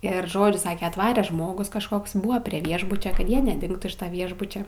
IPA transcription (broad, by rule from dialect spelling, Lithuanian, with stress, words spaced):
ˈɪr ˈʒoːd͡ʒʲʊ ˈsɑːkʲɛ ɐtˈʋɑːrʲɛ ˈʒmoːɡʊs kɐʃˈkoːks ˈbʊʋɐ pʲrʲiɛ ˈʋʲiɛʒbʊt͡ʃʲɛ ˈkɐt ˈjiɛ nʲɛˈdʲɪŋktuː ɪʃ ˈʋʲiɛʒbʊt͡ʃʲɛ